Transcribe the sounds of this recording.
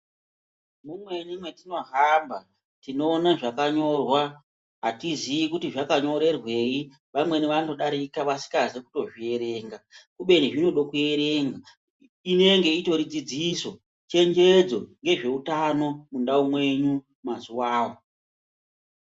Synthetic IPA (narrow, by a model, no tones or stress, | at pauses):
mumwe̞ɲimwe̞tino̞ɦamba | tino̞ːnaʐakaɲo̞rwa | ɦatiziikutiʐakaɲo̞ɾe̞rwe̞i | ʋamwe̞niʋando̞ɗaɾikaʋasi̥kazekuto̞ʐie̞ɾe̞ːŋɡakuɓe̞niʐinoɗokue̞ɾe̞ŋɡa | ine̞ŋɡe̞ito̞ɾid͡zid͡ziso̞ | t͡ʃe̞nd͡ʒe̞d͡zo̞ŋɡe̞ʐe̞utano̞mundaumwe̞ɲu | mazuwaːwo